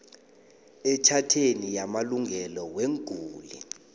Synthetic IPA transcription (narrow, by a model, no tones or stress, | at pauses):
ɛt͡ʃʰatʰenijamaluŋɡʱɛlɔweŋɡʱuːlḭ